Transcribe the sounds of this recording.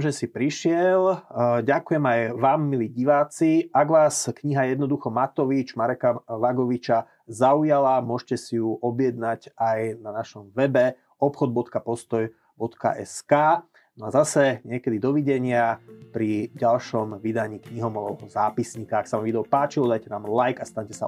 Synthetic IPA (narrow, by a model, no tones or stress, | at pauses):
mʒɛsipɾiʃɪɛlɟakujɛmajʋaːmːiliɟiʋaːt͡siaɡʋaːskɲiɦajɛd̪nɔd̪uxɔmat̪ɔʋid͡ʒmaɾɛkaʋaɡɔʋit͡ʃa | zaujalamʊɔʒcɛsijuʔɔbjɛd̪nacajnanaʃɔmʋɛbɛ | ɔpxɔd̪̚bɔt̪kapɔst̪ɔj | bɔt̪ka̰ʔɛ̰skaː | nɔazasɛɲɪɛkɛd̪id̪ɔʋiɟɛɲɪapɾiɟalʃɔmʋid̪aɲiːkɲiɦɔmɔʋɔʋɔɦɔzaːpisɲiːkaaksaʋamvid̪ɛɔpaːt͡ʃiɔd̪ajcɛnaːmlajkast̪aɲcɛsa̰